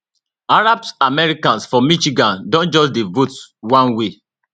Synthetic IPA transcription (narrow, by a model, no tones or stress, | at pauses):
aɹabsamɛɹikãnsfɔmiʃiɡãndɔ̃nd͡ʒɔsdevotwãnwe